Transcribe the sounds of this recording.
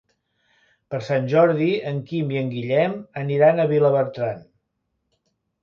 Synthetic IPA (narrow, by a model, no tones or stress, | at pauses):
pəɾsanʲʒɔɾðiəŋkimiəŋɡiʎɛməniɾanəβiləβəɾt̪ɾan